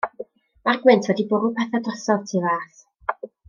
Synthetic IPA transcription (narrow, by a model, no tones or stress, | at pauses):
marɡwɪntʰwɛdibʊɾʊpʰɛθadrɔsɔvtʰɪvaːθ